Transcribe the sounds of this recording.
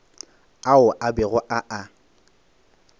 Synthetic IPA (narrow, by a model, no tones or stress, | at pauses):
aʊʔabɪɣʊʔaʔa